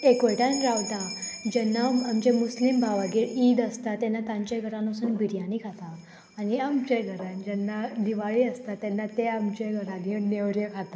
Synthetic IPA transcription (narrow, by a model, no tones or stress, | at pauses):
ekoʈanɾawd̪ad͡ʑɛnːaːmd͡ʑemuslimbaʋaɡiːɭid̪əst̪at̪ɛnːat̪ãɲt͡ɕeɡʱəɾãnosənbʱiɽjãnikat̪a | aniamt͡ɕeɡʱəɾand͡ʑɛnːaliʋaɭiəst̪at̪ɛnːat̪eamt͡ɕeɡʱəɾanineʋɾjəkʰat̪a